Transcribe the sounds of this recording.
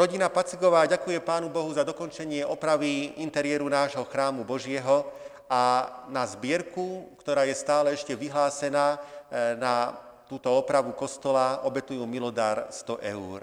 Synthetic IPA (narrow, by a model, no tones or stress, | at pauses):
ɾɔɟinapat͡siɡɔʋaːɟakujɛpaːnubɔɦuzad̪ɔkɔnt͡ʃɛɲɪɛʔɔpɾaʋiint̪ɛɾɪɛɾunaːʒɦɔxɾaːmubɔʒɪɛɦɔ | anazbɪɛɾkukt̪ɔɾaːjɛst̪aːlɛɛʃcɛʋiɦlaːsɛnaːna | t̪uːt̪ɔɔpɾaʋukɔst̪ɔlaʔɔbɛt̪ujuːmilɔd̪aɾst̪ɔʔɛ̰uːɾ